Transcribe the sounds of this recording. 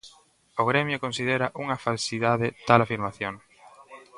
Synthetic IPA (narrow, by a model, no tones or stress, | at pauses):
ʊɣ̞ɾɛmjʊkonsið̞eɾɐʔuŋɐfalsiðaðɪt̪alafiɾmaθjoŋ